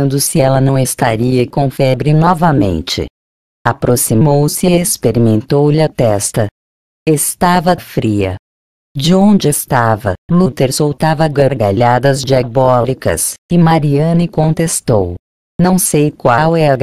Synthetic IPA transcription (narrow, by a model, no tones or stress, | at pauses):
nd̪ʊsɪɛlɐnɐ̃w̃est̪a̰ɾiɐkõfɛbɾɪnɔvɐmḛ̃nt͡ʃɪ̰ | apɾosimowsɪespeɾimẽnt̪owʎɪɐt̪ɛst̪ɐ | est̪avɐfɾiɐ̰ | d͡ʒɪõnd͡ʒɪest̪avɐ̰lut̪eɾsowt̪avɐɡoɾɡa̰ʎad̪ɐzd͡ʒiabɔlikɐ̰sɪmaɾiɐ̃nɪkõnt̪est̪ow | nɐ̃w̃sejkwawɛɐɡ